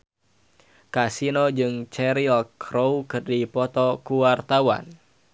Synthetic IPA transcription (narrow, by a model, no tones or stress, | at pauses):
kasinod͡ʒɨŋt͡ʃɛɾilkɾowkɨrdipɔt̪ɔkuwart̪awa̰n